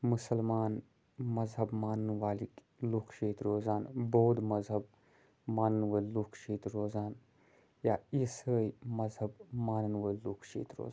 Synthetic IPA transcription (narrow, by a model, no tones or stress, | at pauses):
musəlmaːn | mɐzɦɐbmaːnnʋaːlik | lukʰʃeːt̪ɾoːzaːnboːd̪mɐzɦɐb̚ | maːnənʋəːlukʰʃeːt̪ɾoːzaːn | jaːisəːjmɐzɦɐbmaːnənʋəːlukʰʃḛːt̪ɾo̰ːza